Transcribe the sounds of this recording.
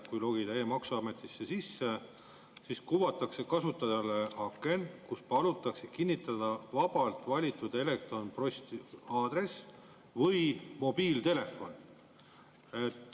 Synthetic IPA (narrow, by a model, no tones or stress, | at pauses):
kujlo̞ɡit̪æjemɑksuɑme̞t̪ːˑisːe̞sisːe̞ | siskuvɑt̪ːˑɑkse̞kɑsut̪ːˑɑd̪ɑleɑkːˑe̞nkuspɑlut̪ːˑɑksekinʲːit̪ːˑɑd̪̥ɑvɑb̥ɑlt̪ˑvɑlʲit̪ːˑud̪̥e̞le̞k̚t̪ronpro̞st̪iɑːd̪re̞s | vɤjmo̞b̥iːlt̪e̞le̞fːo̞n | e̞t̪ːˑ